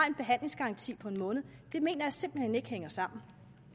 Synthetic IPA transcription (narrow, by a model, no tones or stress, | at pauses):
ɑe̝nd̚b̥e̝ɦæn̰le̝ŋsɡ̥ɑɑ̈nt͡sʰḭːpʰɒ̽e̝nmɔ̽ːnð̩ˠd̥e̝me̝̰ːnɐjæse̝mb̥l̩hene̝ɡ̥əheŋ̰ɐsɑ̈m̰n̩